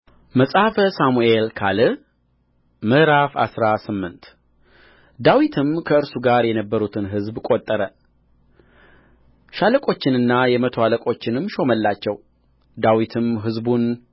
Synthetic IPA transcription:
məsʼahafəsamuelkʰalɨ | mɨhɾafa̰sɾasɨmːɨnt̪ | d̪awit̪ʰɨmkʰəɨɾsuɡaɾjɛnəbːəɾut̪ʰɨnɦɨzbkʼot̪ʼːəɾə | ʃaləkʼo̞t͡ʃːɪnɨnːajɛmət̪ʰoaləkʼo̞t͡ʃːɪnɨmːʃo̞məlːat͡ʃːɛw | d̪awit̪ʰɨmɦɨzbun

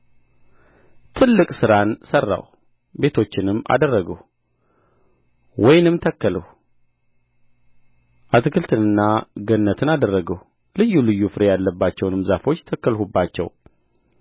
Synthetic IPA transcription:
t̪ʰɨlːɨkʼsɨɾansərːa̰w | be̞t̪ʰo̞t͡ʃːɪnɨmːa̰d̪ərːəɡəw | wɔjnɨmt̪ʰəkːələh | ʔat̪ʰɨkʰɨlt̪ʰɨnɨnːaɡənːət̪ʰɨnad̪ərːəɡəw | lɨjːulɨjːufɨɾejalːəbːat͡ʃːɛwnɨmzafo̞t͡ʃːt̪ʰəkːəlhubːat͡ʃːɛ̰w

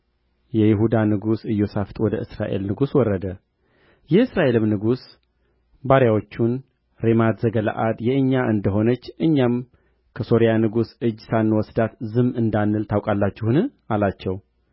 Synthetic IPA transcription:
jɛjɪɦud̪anɨɡusɨjːo̞saft̪ʼwɔd̪əʔɨsɾaʔe̞̰lnɨɡuswɔrːəd̪ə | jɛɨsɾaʔe̞lɨmnɨɡus | baɾjawot͡ʃːun | ɾemad̪zəɡəla̰ʔad̪jɛʔɨɲːaʔɨnd̪əɦo̞nət͡ʃːʔɨɲːam | kʰəso̞ɾijanɨɡusɨd͡ʒːsanːwɔsd̪at̪zɨmɨnd̪anːɨlt̪ʰawkʼalːat͡ʃːɛhɨnɨ | alat͡ʃːɛw

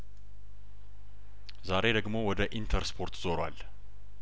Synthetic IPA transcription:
zaɾe̞d̪əɡmo̞wɔd̪əʔint̪ʰəɾspʰo̞ɾt̪zo̞ɾwal

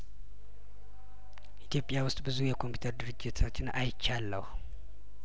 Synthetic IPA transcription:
ʔit̪ʰjo̞pʼjawʊst̪ʼbɨzujɛkʰo̞mpʰu̥t̪ʰəɾd̪ɨɾɨd͡ʒːɪt̪ʰat͡ʃːɪnajɪt͡ʃːalːə̰h

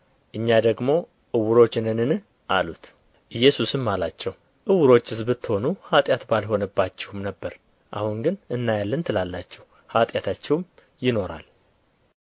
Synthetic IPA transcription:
ʔɨɲːad̪əɡmo̞ | ʔɨwːʊɾo̞t͡ʃːɪnɨnɨn | ʔalut̪ | ʔɨjːɛsusɨmːalat͡ʃːɛw | ʔɨwʊɾo̞t͡ʃːɨzbɨt̪ːho̞nuhat̪ʼjat̪balho̞nəbːat͡ʃːɛ̥wumnəbːəɾ | ʔa̰huŋɡɨnɨnːajalːənt̪ʰɨlalːat͡ʃːɛw | hat̪ʼjat̪ʰat͡ʃːɛwm | jɪno̞ɾa̰l

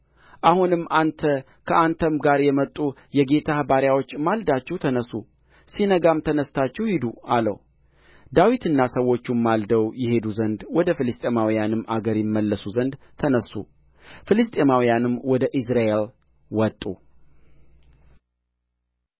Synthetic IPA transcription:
ʔahunɨmːant̪ʰə | kʰəʔant̪ʰəmɡaɾjɛmət̪ʼːu | jɛɡe̞t̪ʰahbaɾjawo̞t͡ʃːmald̪at͡ʃːɛwt̪ʰənəsu | sinəɡamt̪ʰənəst̪at͡ʃːɛwhid̪ualə̰w | d̪awit̪ɨnːasəwo̞t͡ʃːumːald̪əwjɪhe̞d̪uzənd̪wɔd̪əfilɨst̪ʼemawijanɨmaɡəɾjɪmːəlːəsuzənd̪ | t̪ʰənəsːṵ | filɨst̪ʼemawijanɨmwɔd̪əʔis̬ɾaʔe̞l | wɔt̪ʼṵ

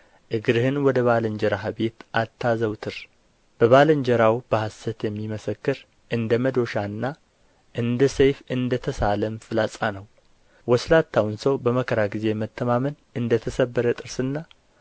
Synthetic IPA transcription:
ʔɨɡɾɨhɨnwɔd̪əβaləɲd͡ʒɛɾaɦabe̞t̪ʔat̪ʰːazəwt̪ʰɨɾ | b̥əβaləɲd͡ʒɛɾawb̥əhasət̪jɛmːiməsəkːɨɾ | ʔɨnd̪əməd̪o̞ʃanːa | ʔɨnd̪əsejfɨnd̪ət̪ʰəsaləmfɨlasʼanəw | wɔslat̪ʰːawnsəwbəməkʰəɾaɡize̞mət̪ʰːəmamən | ɨnd̪ət̪ʰəsəbːəɾət̪ʼɨɾsɨnːa

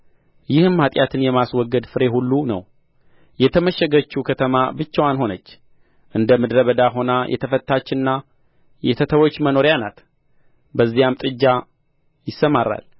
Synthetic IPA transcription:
jɪhɨmhat̪ʼjat̪ʰɨnjɛmaswɔɡːəd̪fɨɾe̞hulːunə̰w | jɛt̪ʰəməʃɛɡət͡ʃːukʰət̪ʰəmabɨt͡ʃːawanho̞nət͡ʃː | ʔɨnd̪əmɨd̪ɾəβəd̪aɦo̞najʔɛ̰t̪ʰəfət̪ːat͡ʃːɪnːa | jɛt̪ʰət̪ʰəwo̞t͡ʃːməno̞ɾjanat̪ | bəzːijamt̪ʼɨd͡ʒːa | jɪsːəmaɾːa̰l

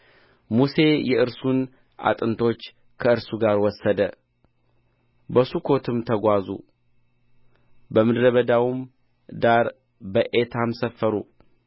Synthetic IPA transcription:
muse̞jɛʔɨɾsun | ʔa̰t̪ʼɨnt̪ʰo̞t͡ʃː | kʰəɨɾsuɡaɾwɔsːəd̪ə | bəsukʰo̞t̪ʰɨmt̪ʰəɡʷazṵ | bəmɨd̪ɾəβəd̪awim | d̪aɾ | bəʔet̪ʰamsəfːəɾṵ

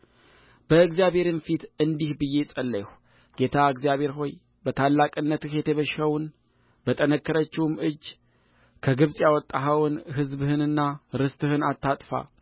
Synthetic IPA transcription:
b̥əɨɡzijaβe̞ɾɨnfit̪ɨnd̪ihbɨjːe̞sʼəlːəhʷ | ɡ̥e̞t̪ʰaɨɡzijaβhe̞ɾɦo̞j | bət̪ʰalːakʼɨnːət̪ɨhjɛt̪ʰəβəʃhəwn | b̥ət̪ʼənəkːəɾət͡ʃːɪwmɨd͡ʒː | kʰəɡɨβsʼjawɔt̪ʼːaɦəwɨnɦɨzbhɨnɨnːaɾɨst̪ʼɨhɨnat̪ːat̪ʼfa̰

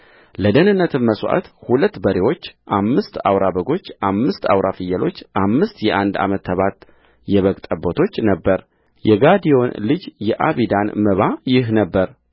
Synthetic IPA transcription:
ləd̪ənɨnːət̪ʰɨmməswʔa̰t̪hulət̪ːbəɾewo̞t͡ʃːʔamːɨst̪a̰wɾabəɡo̞t͡ʃːʔamːɨst̪a̰wɾʔafɨjːəlo̞t͡ʃːʔamːɨst̪jɛʔand̪a̰mət̪ʰːəβat̪ | jɛβəkʼt̪ʼəbot̪ʰo̞t͡ʃːnəbːəɾ | jɛɡad̪ijo̞nlɨd͡ʒjɛʔaβid̪anməβajɪɦnəbːəɾ

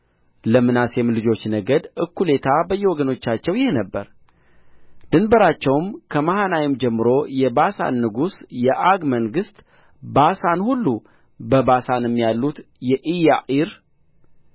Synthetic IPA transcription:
ləmɨnasjɛmlɨd͡ʒo̞t͡ʃːnəɡəd̪ʔɨkːule̞t̪ʰabəjːɛwɔɡəno̞t͡ʃːat͡ʃːɛwjɪhenəbːəɾ | d̪̥ɨnbəɾat͡ʃːɛwmkʰəmahanawimd͡ʒɛmːɨɾo̞jɛbasa̰nːɨɡusjɛʔaɡməŋɡɨst̪ | basanhulːu | bəbasanɛmːijalːut̪ | jɛʔijaʔiɾ

